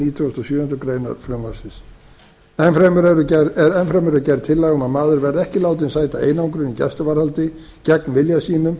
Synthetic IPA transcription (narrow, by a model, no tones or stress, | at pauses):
iːt̪ʰʏst̪ɔsjʏːʏnt̪ʏkɾeːjna̰ɾ̥fɾʏmvasɪs | ɛnfɾɛmɛɾɛɾʏcɛɛɾɛnfɾɛmɛɾʏcɛjɾt̪̚t̪ʰɪlːɛɣʏmaðmaːðʏɾvɛɾðɛhcɪlaːwt̪̬ɪnsaːjt̪aḛːjnawŋkɾʏnicɛ̰st̪ʏvaɾhalt̪ɪ | cɛk̚nvɪljasiːnʏm